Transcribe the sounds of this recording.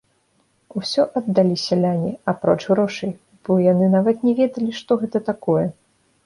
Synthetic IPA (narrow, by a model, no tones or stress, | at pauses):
usʲɔʔɐd̪ːalʲisʲɐlʲanʲiapɾɔt͡ʂɣɾɔʂɐj | b̥ɔjanɨnavɐt̪nʲɛvʲɛd̪ɐlʲiʂt̪ɔɣɛt̪ɐt̪akɔjɛ